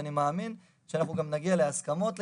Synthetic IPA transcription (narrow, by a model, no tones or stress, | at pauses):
animaːmin | ʃeanaχnuɡamnaɡialeaskamo̞t̪l